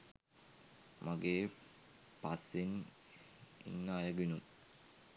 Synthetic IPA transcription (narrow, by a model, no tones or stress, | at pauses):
maɡeː | pasːin | ḭnːaːjəɡinun